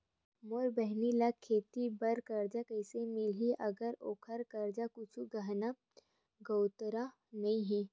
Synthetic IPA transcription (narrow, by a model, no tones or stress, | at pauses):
moːɾbəɦnilakʰeːt̪ibɐɾkɐɾd͡ʒakəɪsemɪlɦiʔɐɡəɾoːkʰəɾkɐɾd͡ʒakʊt͡ʃʰuɡaɦna | ɡəwt̪ɾa | nɐĩɦɛ